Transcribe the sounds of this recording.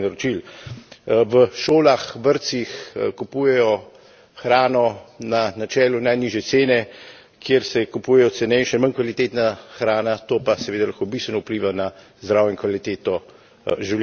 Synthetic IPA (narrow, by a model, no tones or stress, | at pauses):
naɾɔt͡ʃil | ʋəʃoːlaxʋəɾt̪sixkupuːjɛjɔ | xɾaːnɔnanat͡ʃɛːlunajniːʒjɛt̪seːnɛ | kʰjeːɾsɛkupuːjɛjɔsɛnɛjʃanmənkʋalit̪eːt̪naxɾaːnat̪oːpasɛʋeːd̪alaxkobist̪ʋɛnɔupliːʋana | zd̪ɾawjɛŋkʋalit̪eːt̪ɔ | ʒiw